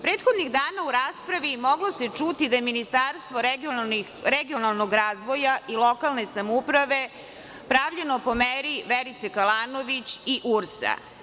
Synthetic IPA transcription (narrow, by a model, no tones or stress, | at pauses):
pɾe̞ːt̪xo̞d̪niɣd̪aːnauɾaːspɾaʋimo̞ɡlo̞se̞t͡ʂut̪id̪ajeminist̪aɾst̪ʋo̞ɾ | ɾeɡio̞nalˠno̞ɡɾaːzʋo̞jaʔilˠo̞kalˠne̞samupɾaʋe̞ | pɾaːʋʎeno̞po̞meɾiʋeɾit̪sekalaːno̞ʋit͡ɕiʔuɾsa̰